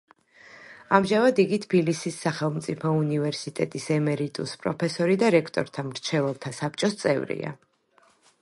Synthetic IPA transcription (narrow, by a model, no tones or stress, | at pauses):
amʒavad̪iɡit̪ʰbilisisːaχɛlˠmt̪sʼipʰɔunivɛɾsit̪ʼɛt̪ʼisɛmɛɾit̪ʼuspʼɾɔpʰɛsɔɾid̪aɾɛkʰt̪ʼɔ̰ɾt̪ʰamɾt͡ʃʰɛvɛlˠt̪ʰasap̚ʼt͡ʃʼɔst̪sʼɛ̰vɾḭa̰